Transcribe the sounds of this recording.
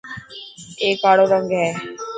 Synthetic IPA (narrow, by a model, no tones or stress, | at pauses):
eːkaːɽoɾəŋɡɦɛː